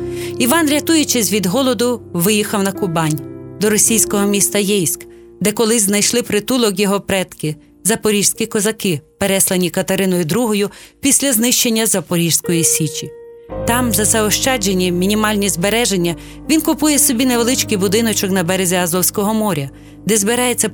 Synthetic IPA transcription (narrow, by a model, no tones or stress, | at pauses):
iʋɑnɾʲɐt̪ujʊt͡ʃɛzʲʋʲid̪ɦɔlˠɔd̪ʊʋɪjixɐwnɐkʊbɑnʲd̪ɔɾɔsʲijsʲkɔɦɔmʲist̪ɐjɛjsʲk | d̪ɛkɔlˠɪznɐjʃlˠɪpɾɪt̪ulˠɔk̬jɔɦɔpɾɛt̪kɪ | zɐpɔɾʲiʒsʲkʲikɔzɐkɪpeɾɛslˠɐnʲikɐt̪ɐɾɪnɔjʊd̪ɾuɦɔjʊpʲisʲlʲɐznɪʃt͡ʃenʲːɐzɐpɔɾʲiʒsʲkɔjisʲit͡ʃʲi | t̪ɑmzɐsɛɔʃt͡ʃɑd͡ʒenʲːimʲinʲimɑlʲnʲizbeɾɛʒenʲːɐ | ʋʲinkʊpujɛsɔbʲineʋelˠɪt͡ʃkɪjbʊd̪ɪnɔt͡ʃɔknɐbɛɾezʲiɐzɔwsʲkɔɦɔmɔɾʲɐ | d̪ɛzbeɾɑjet͡sʲːɐ